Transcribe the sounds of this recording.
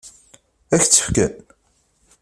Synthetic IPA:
æçt͡sːə̥fkæ̰n

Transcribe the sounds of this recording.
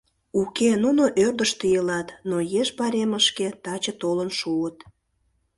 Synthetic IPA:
ukenunoʔørd̪əʃt̪əjəlɑt̪nojeʃbɑɾeməʃket̪ɑt͡ɕət̪olənʃuət̪

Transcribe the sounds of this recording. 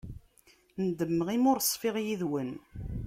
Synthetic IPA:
nd̪əmːəʁimʊɾsˤːfɪʁjiðwən

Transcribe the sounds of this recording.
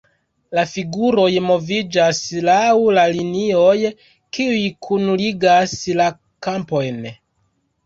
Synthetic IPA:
lafiɡuɾo̞jmo̞vid͡ʒaslawlalinio̞j | kiujkʰunuliɡasla | kampo̞jn

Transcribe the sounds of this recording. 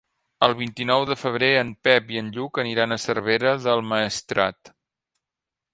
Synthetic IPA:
əlˠβ̞int̪inɔwðəfəβ̞ɾeənpɛpiənʎukəniɾanəsərβeɾəðəlˠməːst̪ɾa̰t̪

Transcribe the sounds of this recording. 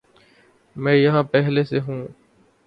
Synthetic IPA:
mɛ̃ːjəɦãːpɛɦleːseːɦũː

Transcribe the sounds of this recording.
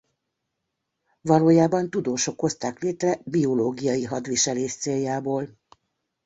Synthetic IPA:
vɒloːjaːbɒnt̪ud̪oːʃo̞kho̞st̪aːkleːt̪rɛbio̞loːɡijɒjiɦɒd̪ʋiʃɛleːʃt̪seːjjaːboːl

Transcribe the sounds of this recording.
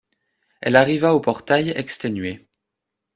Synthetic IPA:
ɛ̰laʁivaopɔʁt̪ajɛkst̪enɥe

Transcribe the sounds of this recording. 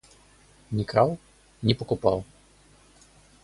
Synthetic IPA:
nʲikɾaw | nʲipɔkupa̰w

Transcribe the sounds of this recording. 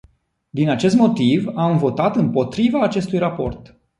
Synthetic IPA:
d̪inat͡ʃe̞s̬t̪mo̞t̪ivamvo̞t̪at̪ɨmpo̞t̪ɾivaːt͡ʃe̞st̪ujrapo̞̰rt̪

